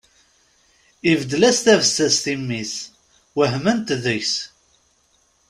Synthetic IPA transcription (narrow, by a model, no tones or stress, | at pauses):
ivəd̪ːlæst̪ævəsːæst̪imːiθ | wəɦmənt̪ðəçs